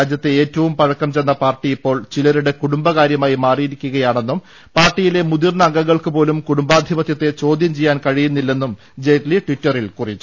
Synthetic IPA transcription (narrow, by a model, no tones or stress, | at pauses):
aːd͡ʑjɐt̪ːeeːtːɐʋumpɐɻɐkːɐmt͡ɕenːɐpaːrʈːijipːo̞ːɭt͡ɕilɐɾuɽe̞kuɽumbɐkaːɾjɐmaːjimaːrijiɾikʲːuɣɐjaːɳe̞nːum | paːrʈːijile̞mud̪irnɐɐŋɡɐŋːɐɭkɨpo̞ːlumkuɽumbaːd̪ʱibɐt̪jɐt̪ːe̞t͡ɕo̞ːd̪ʱjɐmt͡ɕejːaːnkɐɻijunːilːe̞nːum | d͡ʑejtliʈʋitːɐrilkurit͡ɕːu